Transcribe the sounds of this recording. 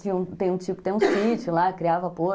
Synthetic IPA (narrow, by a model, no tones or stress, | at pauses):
viũt̪ẽj̃ũt͡ʃiʊkɪ̥t̪ẽj̃ũsit͡ʃʊlakɾiavɐpoɾ